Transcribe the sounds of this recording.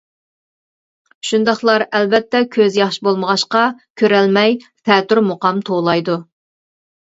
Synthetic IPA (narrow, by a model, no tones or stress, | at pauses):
ʃund̪ɑχlˠɑɾɛlbɛt̪ːɛkʲʰøzjɑχʃibolˠməʁɑʃqɑkʲʰøɾɛlmɛjfʰɛːt̪yɾmoqɑmt̪ʰolˠɑjd̪u